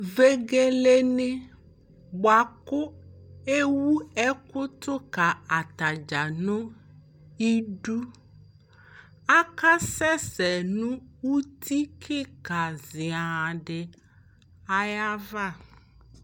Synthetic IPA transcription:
ve˦ɡe˦le˦nẽ˦ | bo˨a˨ko˦e˦wu˦ɛ˦ko˦t̪o˦ka˨a˨t̪a˨d͡ʒa˨nõ˦ | i˦ɖu˦ | a˦ka˦sɛ˦sɛ˨nũ˦wu˦t̪ʰi˦kʰe˦ka˨zi˨a˨ɖe˨ | a˦ja˦va˦˨

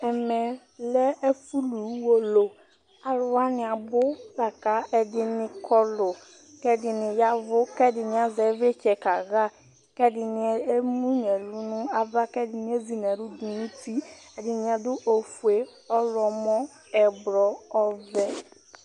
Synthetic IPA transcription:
ɛ˨mɛ˨ | lɛ˦e˦fu˦lu˨˦wo˦lo˨ | a˨ɾʊ˨wa˦nɪ̃˨a˨bʊ˦la˨ka˦ɛ˨dɪ˨nɪ̃˨kʰɔ˦lʊ˨ | kɛ˦dɪ˨nɪ̃˨ja˦vʊ˦kɛ˦dɪ˨nɪ̃˨a˨zɛ˨˦ve˦t͡ʃɛ˨ka˨ɣa˦ | kɛ˦dɪ˨nɪ˨e˦mũ˦ɲɛ˨lu˦nʊ̃˦a˨va˦kɛ˦dɪ˨nɪ̃˦e˦zi˨n˨ɛ̃˨ɾʊ˦d̪u˨nũ˦ti˦ɛ˨dɪ˨nɪ̃˨a˨dʊ˦ʔo˨fu˨e˦ | ɔ˦lɔ˨mɔ̃˦ | ɛ˨bɾɔ˨ɔ˦vɛ˦

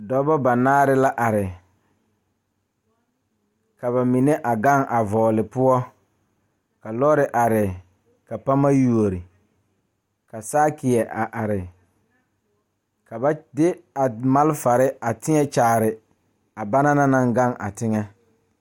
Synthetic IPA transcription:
dɔ˦ba˦ba˨naː˦ɾɪ˦la˦ʔa˨ɾɪ˨ | ka˨βa˨mi˨ne˦ʔa˨ɡa˦ŋʔa˨vɔː˨lɪ˨pʊ˦ɔ˦ | ka˨lɔ˦ɾɪ˨ʔa˨ɾɪ˨ | ka˨pa˦ma˦ju˨o˨ɾi˨ | ka˨saː˦kɪ˨ɛ˨ʔa˨ʔa˨ɾɪ˨ | ka˨ba˦dɪ˦a˨ma˦lfa˨ɾɪ˦a˨tɪ˦ŋɛ˦t͡ʃaː˨ɾɪ˨ | a˨ba˦na˦na˦na˨ŋɡa˦ŋʔa̰˨tɪ˦ŋɛ˦

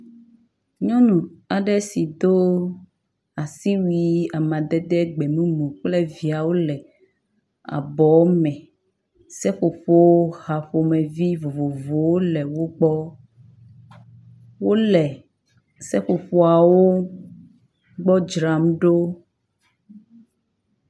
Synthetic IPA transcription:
ɲɔ̃˦nũ˨a˨ɖɛ˦si˨d̪o˦ | a˨si˦wi˨a˨mã˨d̪ɛ˦d̪ɛ˦ɡ͡bɛ˨mũ˦mũ˨k͡ple˦vi˨a˨wo˦lɛ˨ | a̰˨bɔ˨˦mɛ̃˨ | sɛ˦ɸo˨ɸo˦wo˦ha˨ɸo˨mɛ̃˨vi˦vo˨vo˨vo˨wo˦lɛ˨wo˦ɡ͡bɔ˦ | wo˦lɛ˨ | sɛ˦ɸo˨ɸo˨a˨wo˦ | ɡ͡bɔ˦d͡ʒɾa˨m˦ɖo˦

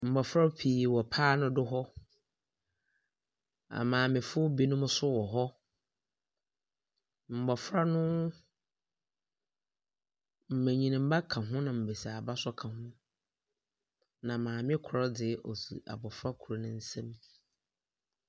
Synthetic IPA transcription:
m̩˨bɔ˨fɾa˦pʰiː˨wɔ˨pʰaː˦nʊ̃˦dʊ˦ɦɔ˦ | a̰˨mãː˨mɪ̃˨fʊ˦bi˦nʊ̃˦m˦sʊ˦wɔ˨ɦɔ˦ | m̩˨bɔ˨fɾa˦nʊ̃˦ | m̩˨mɛ̃˨ɲĩ˨nĩ˨m̩˦ba˦kʰã˨ɦʊ̃˦nã˨m̩˨be˨sa˨ba˦sɔ˦kʰã˨hʊ̃˦ | nã˨mãː˨mɪ̃˦kʰʊ˨ɾɔ˦dɪ˨˦ʔɔ˨sṵ˨ʔa̰˨bɔ˨fɾa˦kʰu˨ɾa˨nʊ̃˦n̩˦sɛ̃˦m

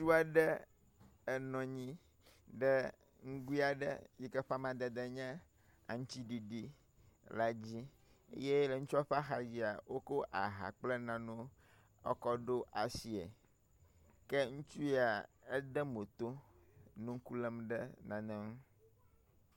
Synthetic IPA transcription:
su˦a˨ɖɛ˦ | ɛ˨nɔ̃˨ɲĩ˦ | ɖɛ˦ | ŋ̩˦ɡu˦i˦a˨ɖɛ̰˦ji˦kɛ˦ɸa˦mã˨d̪ɛ˨d̪ɛ˦ɲɛ̃˦ | a̰˨ŋ̩˦t͡ɕi˦ɖi˨ɖi˦ | la˨d͡ʑi˦ | ḛ˦je˦lɛ˨ŋũ˦t͡ʃɔ˦ɸa˦xa˨d͡ʑi˨˦a˨wo˦ko˦ʔa̰˨ɦa̰˨k͡plɛ˦nã˨nũ˦ | ɔ̰˦kɔ˦ɖo˦ʔa˨si˨ḛ˨ | kɛ˦ŋũ˦t͡ʃu˦e˦a˨ɛ˦ɖɛ˦mo˨t̪o˦nũ˦ŋ˦ku˦lɛ˦mɖɛ˦nã˨nɛ̃˦m˦

